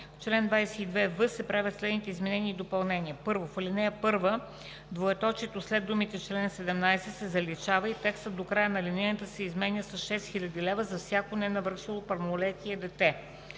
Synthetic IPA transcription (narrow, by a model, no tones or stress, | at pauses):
t͡ʃlɛnd̪vajsɛid̪vɛvɤsɛpɾavʲət̪slɛd̪nit̪ɛizmɛnɛniːd̪opɐlˠnɛniəpɤɾvofəlinɛjəpɤɾvə | d̪voɛt̪ɔt͡ʃɛt̪oslɛd̪umit̪ɛt͡ʃlɛnsɛd̪ɛmnajsɛsɛzɐlit͡ʃavəit̪ɛkst̪ət̪̚d̪okɾajənɐlinɛjət̪əsɛizmɛnʲəsɐsʃɛst̪xilʲɐd̪ilɛvəzɐfsʲjakonɛnɐvɾʃilˠopɐlmolɛt̪iəd̪ɛt̪ɛ